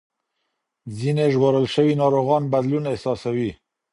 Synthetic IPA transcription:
zineʒwoɾəlʃəwinɑɾoɣɑnbad̪lunehsɑsawi

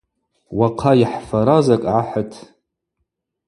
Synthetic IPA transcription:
waqʰajiħfaɾazakʼʕaħətʰ

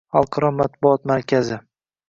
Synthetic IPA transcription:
ɑlˠqʰɑɾɒmat̪̚bʊɒt̪maɾkʲʰazɪ

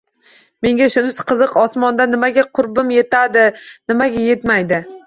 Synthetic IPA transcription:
me̞ŋɡʲaʃʊnɪsqʰɨzɨqɒsmɒnd̪anɪmaɡʲaqʰʊɾbɪmje̞t̪ʰad̪ɪnɪmaɡʲaje̞t̪majd̪ɪ

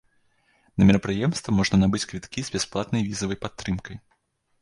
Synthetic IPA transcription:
nɐmʲɛɾɐpɾɨjɛmst̪vɐmɔʐnɐnabɨt͡sʲkvʲit̪kʲizbʲɛsplˠat̪nɐjvʲizɐvɐjpat̪ːɾɨmkɐj

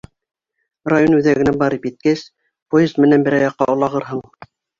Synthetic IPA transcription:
rajonʉðæɡɘ̆næbɑɾɤpjɘ̆t̪̚kæs | pojezt̪mɘ̆nænbɘ̆ɾɑjɑqːɑ̰ŏlˠɑʁɤɾɦɤɴ

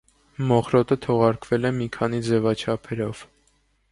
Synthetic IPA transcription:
mɔχɾɔt̪ət̪ʰɔʁɑɾkvɛlɛmikʰɑn̪id͡zɛvɑt͡ʃʰɑpʰɛɾɔv̥

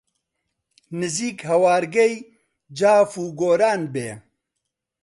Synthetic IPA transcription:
nɨziːkhɐwaːɾɡɛj | d͡ʒaːfuːɡoːɾaːnbeː

